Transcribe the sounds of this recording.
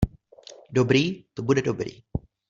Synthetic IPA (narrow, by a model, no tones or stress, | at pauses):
dobɾiːt̪obudɛdobɾḭː